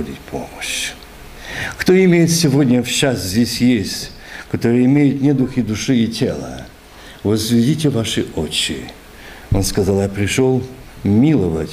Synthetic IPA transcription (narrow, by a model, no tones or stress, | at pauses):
dʲitʲpʰo̰məɕ | kt̪oɪmʲejɪt̪sʲɪvodʲnʲəfɕasʲt̪ʲzʲdʲesʲjesʲtʲ | kɐt̪oɾɨjəɪmʲejʊt̪nʲɛd̪uxʲid̪ʊʂɨitʲʰḛlˠə̰ | vəzvʲɪdʲitʲɪvaʂɨot͡ɕːɪ̰ | onskɐzalˠjapɾʲɪʂolˠ | mʲilˠəvətʲ